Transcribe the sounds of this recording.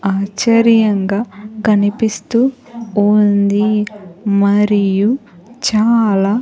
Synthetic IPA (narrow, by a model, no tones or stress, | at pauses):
aːt͡ʃɐɾjɐŋɡaːkɐnipist̪uː | und̪i | mɐɾiju | t͡ʃaːlaː